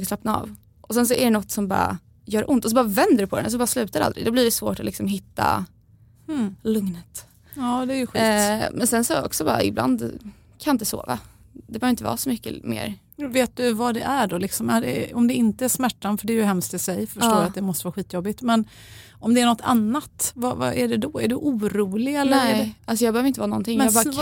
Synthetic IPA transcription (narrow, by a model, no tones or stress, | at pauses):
ɡəslapnaɑ̰ːv | ʔɔsɛns̬ɔæɾɛnɔt̪ːsɔmbɑ̰ːɾa̰ | jœːɾʔʊnt̪ɔs̬ɔbɑːɾavɛnd̪əɾɵpʰɔd̪ɛns̬ɔbɑːɾaslʉ̟ːt̪aɾɛa̰ld̪ɾɪɡd̪ɔbliɖɛsvoːʈɔlɪksɔmɦɪt̪ːa̰ | lɵŋnət̪ | ɑːd̪ɛæɾjɵɧiːmʔɛnsɛnsɔɛɔ̰ksɔbɑ̰ːɾa̰ɪ̰bla̰nd̪ | kʰanaɪnt̪əso̰ːva̰ | d̪̥ɛbɛøːvɾɪnəvɑ̰ːsɔmʏkːə̰mḛːɾ | veːt̪̚d̪ɵvad̪ɛʔæɖɔlɪksɔmæɖɛɔmd̪ɛɪnt̪əæʂmæʈːanfœɖɛːɾjɵɦɛmst̪ɪsɛjfœʂtːoːjat̪̚d̪ɛmɔst̪əvɑːɧiːt̪ːjɔbːɪt̪mɛn | ɔmd̪ɛæɳɔt̪ːʰa̰nːat̪vɑvɑ̰ʔæɖɛd̪ɔæɖɵʔuːɾuːlɪɡɛlːəɛɛʔals̬ɔjɑːɡbɛhœvɾɪnt̪əvɑːnɔnt̪ɪŋjmɑbɑɾ